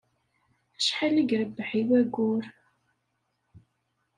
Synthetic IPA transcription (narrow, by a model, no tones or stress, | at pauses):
ʃħaliɡɾəbːħiwæɡʊɾ